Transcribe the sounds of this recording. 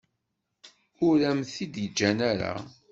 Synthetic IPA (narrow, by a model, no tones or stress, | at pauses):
ʊɾæmθid̪jəd͡ʒːænæɾa̰